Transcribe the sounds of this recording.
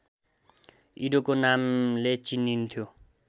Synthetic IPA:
iɾokonamlet͡sinːint̪ʰjo

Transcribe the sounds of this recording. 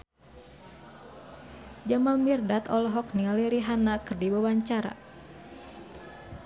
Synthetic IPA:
d͡ʒamanmirdat̪ɔlɔɦɔk̚nialiɾiɦanakɨrdibawaɲt͡ʃaɾa̰

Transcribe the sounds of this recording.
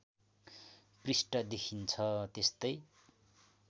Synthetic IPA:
prisʈʌd̪ekʰint͡sʰʌt̪est̪ʌj

